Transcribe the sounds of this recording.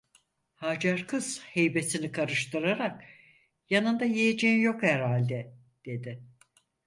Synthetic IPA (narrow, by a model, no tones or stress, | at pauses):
haːd͡ʒaɾkʰɯz̥hejbe̞sinikʰaɾɯʃt̪ɯɾaɾak | janɯnd̪ajejed͡ʒeinjo̞khæɾhalʲd̪ɛ | d̪̥e̞d̪ɪ